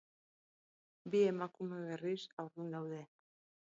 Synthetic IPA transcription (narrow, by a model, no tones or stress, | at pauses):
bie̞makume̞β̞e̞risawɾðund̪awðe̞